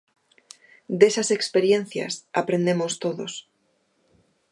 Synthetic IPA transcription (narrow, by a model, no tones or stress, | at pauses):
d̪esasekspeɾjen̟θja̰sapɾend̪emost̪oðo̰s